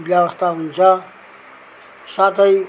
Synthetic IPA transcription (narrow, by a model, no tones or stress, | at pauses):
bjaʋʌst̪aɦunt͡sʰʌ | sat̪ʌj